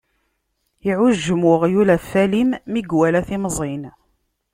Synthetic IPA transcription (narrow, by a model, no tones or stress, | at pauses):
iʕʊʒːəmʊʁjulæfælimːiɡwælæθimzˤin